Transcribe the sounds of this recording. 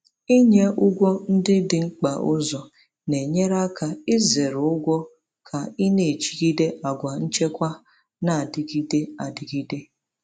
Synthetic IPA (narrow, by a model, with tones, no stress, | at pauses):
i˦ɲe˦ʔʊ˦ɡʷɔ˦n̩˦dɪ˦dɪ˨ŋ͡m̩˦k͡pa˨ʔʊ˦zɔ˨ | ne˨ɲe˦ɾa˦ka˨ɪ˦ze˨ɾʊ˦ɡʷɔ˦ | kʰa˨i˦ne˨t͡ʃi̥˨ɡi˦de˦ʔa˨ɡʷa˨n̩˦t͡ʃe˦kʷa˦ | na˨a˨dɪ˨ɡi˦de˦a˨di˨ɡi˦de˦